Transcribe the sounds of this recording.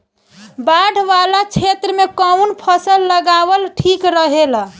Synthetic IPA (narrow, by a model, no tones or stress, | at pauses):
baɽʱʋalat͡ʃʰet̪ɾəmekəwnpʰəsəlːəɡaβəlʈʰikɾəɦel